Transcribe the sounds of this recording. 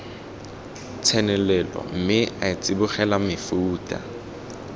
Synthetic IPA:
t͡sʰɛnɛlɛlɔ̰m̩mɪaɪt͡sʼibʊχɛlamɪfuːtʼa̰

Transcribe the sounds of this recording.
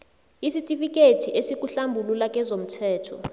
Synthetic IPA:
isitʼifik̬ʼetʰiʔesik̬ʼuɬambʱululak̬ʼɛzom̩tʰɛːtʰɔ

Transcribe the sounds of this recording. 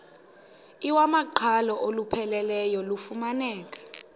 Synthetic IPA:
iwamaǃʰalɔʔolupʰɛlɛlɛjɔlufumanɛːk̬ʼḁ

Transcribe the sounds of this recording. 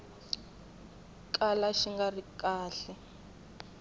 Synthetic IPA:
kʼalaʃiŋɡarikʼaːɬɛ

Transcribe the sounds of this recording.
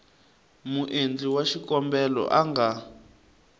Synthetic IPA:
muʔend͡ɮiwaʃikɔmbɛlɔ̰ʔaŋɡa

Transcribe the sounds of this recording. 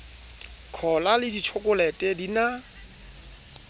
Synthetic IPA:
kʰɔlalɪditʰokʼʊlɛtʼɛdina

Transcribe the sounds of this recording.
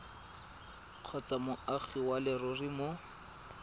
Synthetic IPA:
q͡χʰɔt͡samʊaχiwalɪrʊrimo

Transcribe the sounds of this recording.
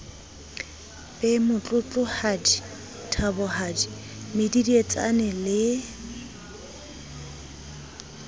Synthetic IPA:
pʼɛmʊt͡ɬʼʊt͡ɬʼʊhadi | tʰabɔhadi | mɪdidiet͡sʼa̰nɛlɪ

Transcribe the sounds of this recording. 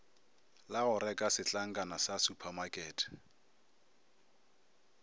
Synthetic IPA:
laɣʊɾɛkʼasɪt͡ɬʼaŋ̩kʼanasasupʰamakʼɛːtʰ

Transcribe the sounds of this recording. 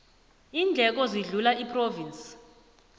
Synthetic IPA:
iːnd͡ɮʱɛk̬ɔziɮulaʔipʼrovinsi̥

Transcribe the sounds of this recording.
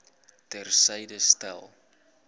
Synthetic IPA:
tɛrsɛjdəstɛ̰lˠ

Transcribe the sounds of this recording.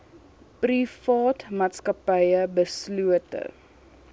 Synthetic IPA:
prifɑːtmɑːtskɐpəjəbəsluətə̰

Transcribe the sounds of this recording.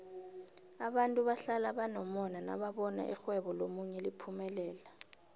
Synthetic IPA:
aɓantʼuɓaɬalaɓanɔmɔnana̰ɓaɓɔna̰ʔixwɛɓɔlomuɲɛlipʰumɛlɛːla

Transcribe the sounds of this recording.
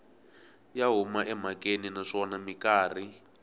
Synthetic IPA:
jaɦumaʔɛm̤akʼeninaʂɔnamikaːr̤i

